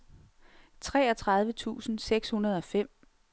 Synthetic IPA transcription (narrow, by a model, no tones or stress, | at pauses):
t͡sʰʁɛːɒt͡sʰʁɑ̈ð̞ˠʋət͡sʰṵːsn̩seɡ̥shunɐð̞ˠɒ̽fem̰